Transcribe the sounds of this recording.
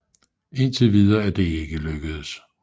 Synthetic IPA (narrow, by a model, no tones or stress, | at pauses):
e̝nt͡sʰe̝ʋið̞ˠɐæɐd̥e̝eɡ̥əløɡ̥əð̩ˠs